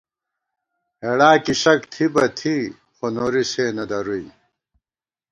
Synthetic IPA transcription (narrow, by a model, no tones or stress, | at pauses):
heɽaːkiɕɐkt̪ʰibɐt̪ʰi | xonoːɾiseːnɐd̪ɐɾui